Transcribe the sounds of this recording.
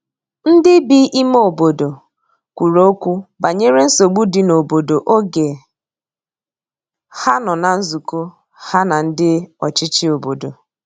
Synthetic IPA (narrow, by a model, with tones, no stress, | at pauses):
n̩˦dɪ˦bi˦ʔi˦m˦o˨bo˨do˨ | kʷu˨ɾo˦o˦kʷu˦ba˨ɲe˦ɾe˦n̩˦so˨ɡ͡bu˦dɪ˨no˨bo˨do˨ʔo˦ɡe˨ | ha˦nɔ˨na˨n̩˦zu˨ko˦ | ha˦na˨n̩˦dɪ˦ɔ˨t͡ʃɪ˦t͡ʃɪ˦o˨bo˨do˨